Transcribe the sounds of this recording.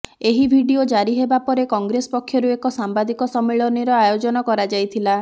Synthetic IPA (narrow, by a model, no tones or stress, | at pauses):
eɦibʱiɖiod͡ʒaɾiɦebapɔɾekɔŋɡɾesɔ̥pɔkʰːjɔɾuekɔsambad̪ikɔsɔmːeɭɔniɾɔajod͡ʒɔnɔkɔɾad͡ʒajt̪ʰila